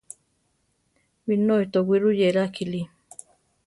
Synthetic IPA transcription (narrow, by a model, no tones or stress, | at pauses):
winoit̪owiɾujeɾakili